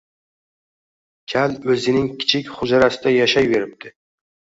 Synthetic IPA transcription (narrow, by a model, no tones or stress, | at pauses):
kʲʰalɵzɪnɪŋkʲʰɪ̥t͡ʃʰɪkʲχʊd͡ʒaɾasɪd̪ajaʃajbe̞ɾɪp̚t̪ʰɪ